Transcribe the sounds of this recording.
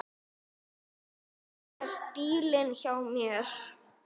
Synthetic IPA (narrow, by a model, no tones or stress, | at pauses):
ɛ̥st̪iːlɪnçawmjɛɾ̥